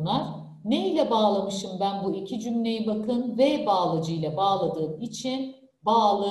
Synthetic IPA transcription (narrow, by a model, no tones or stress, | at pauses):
naɾ̥ | ne̞ilʲɛbaːlˠamɯʃɯmbænbuicʰid͡ʒymlʲe̞jibakʰɯnvɛbaːlˠɯd͡ʒɯjlˠabaːlˠad̪ɯːmit͡ʃʰin | baːlˠɯ